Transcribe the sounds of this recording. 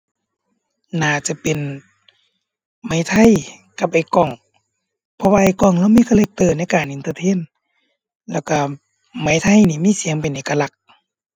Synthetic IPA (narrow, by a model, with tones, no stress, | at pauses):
naː˧˩t͡ɕa˧˦pe˨n | ma˨˧˦jt̪ʰa˧˨j | ka˧˦p̚ʔa˨˩jkɔ˧˩ŋ | pʰɔ˧waː˧ʔa˧˩jkɔ˧˩˨ŋla˧˨wmiː˧˥˨kʰaː˧le˧˦k̚t̪ɤː˧˩na˧˥˨jkaː˨˩nʔi˨nt̪ɤː˧t̪ʰeː˧˥˨n | lɛː˧˩wka˧˩ | ma˨˥˦jt̪ʰa˧˨jniː˧˩miː˧˥˨si˨˦əŋp̬e˨nʔeː˨ka˧la˧˩k̚